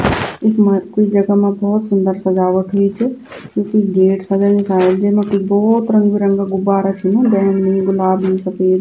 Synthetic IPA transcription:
ɪkmakoid͡ʒɐɡamãbɔːt̪sʊnd̪əɾsɐd͡ʒaːʋət̪ɦʊit͡ʃʰɪ | kjõːkiɡeːʈsɐd͡ʒanɪ̃saːld͡ʒemẽkoibɔːt̪ɾə̃ŋɡbiɾɐ̃ŋɡaɡʊbaːɾat͡ʃʰinũb̪ɛːmnɐɦĩɡʊlaːbnəĩsɐpeːd̪

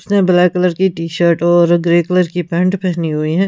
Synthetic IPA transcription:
ʊsnebɪlɛːkələɾkiʈiːʃəɾʈɔːɾɡɾeːkləɾkipɛ̃ːɳʈpɛɦniɦuiɦɛ̃ː

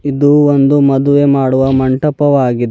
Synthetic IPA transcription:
id̪uond̪umɐd̪uʋemaːɽuʋɐmɐɳʈɐpɐʋaːɡid̪

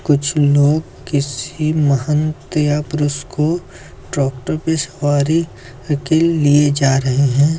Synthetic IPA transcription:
kʊt͡ʃʰloːɡ | kɪsiməhənt̪japɾʊsko | ɖɔːk̚ʈəɾpesəʋaːɾi | kelied͡ʒaːɾɐɦeɦɛ̃ː

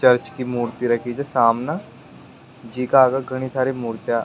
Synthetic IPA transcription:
t͡ʃɐɾt͡ʃkimuːɾt̪iɾɐkʰid͡ʒesaːmna | d͡ʒiːkaːɡaɡʱɐɽ̃isʰaːɾimuːɾt̪ja

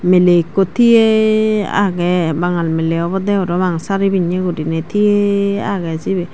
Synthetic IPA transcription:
melekot̪iea̰ɡɛbaŋalmeleɔbɔd̪ɛɔɾɔmaŋsaɾibiɲeɡudinɛt̪ʰiea̰ɡɛsibɛ

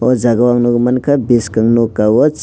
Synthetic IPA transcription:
ɔd͡ʒaɡawaŋnɔɡmankʰabiskaŋnokawɔt͡ʃ

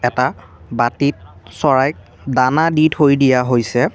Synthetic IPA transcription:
ɛta | batit̚sɔɹajk̚ | danadithojdijaɦojsɛ

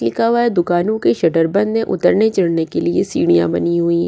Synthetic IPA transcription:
lɪkaːʋaːed̪ʊkaːnõkeʃɐʈəɾbɐ̃nd̪mẽʔʊt̪əɾnet͡ʃɐɽnekeliesiːɽ̃ijã̰bɐniɦʊiɦɛ

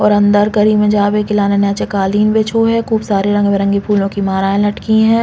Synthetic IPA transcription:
ɔːɾɐ̃nd̪əɾkɐɾiːmẽd͡ʒaːʋekɪlaːnenɛ̃ːt͡ʃekaːliːnbeːt͡ʃʰoɦɛkuːbsaːɾeɾɐ̃ŋɡmẽɾɐ̃ŋɡepʰuːlõkimaːɾaːẽlɐʈkiɦɛ̃ː

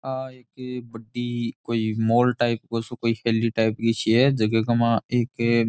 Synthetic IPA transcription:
aeːkebəɖikoimoːlʈaɪpkosokoːiheːliʈaːɪpkit͡ʃʰiɛd͡ʒɐɡeɡɐmãeːke

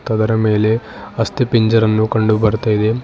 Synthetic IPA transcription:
t̪ɐd̪ɐɾɐme̞ːle̞ | ɐst̪ipiɲd͡ʒɐɾɐnːukɐɳɖubɐɾt̪ɐjid̪e

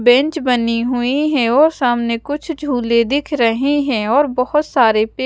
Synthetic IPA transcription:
bɛ̃ɲt͡ʃbɐniɦʊiɦɛ̃ɔːɾsaːmnekʊt͡ʃʰd͡ʒʱuːled̪ɪkʰɾɐɦiɦɛ̃ɔːɾbɔɦʊt̪saːɾepe

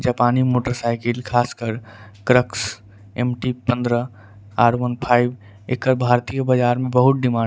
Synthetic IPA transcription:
d͡ʒaːpaːnimoːʈəɾsaːɪkɪlkʰaːskəɾkɾəks | emʈipə̃nd̪ɾə | aːɾʋənpʰaːɪb | ekːəɾbʱaːɾt̪ijəbɐd͡ʒaːɾmẽbɐɦʊt̪̚ɖɪmãː

